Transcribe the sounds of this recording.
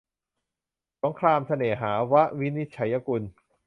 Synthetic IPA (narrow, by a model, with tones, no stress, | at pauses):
so˩˦ŋkʰlaː˧msʰa˧neː˨˩˦ɦaː˩˦wa˦˥ʔwi˦˥ni˦˥t̪̚t͡ɕʰa˩˦jːa˧ku˧n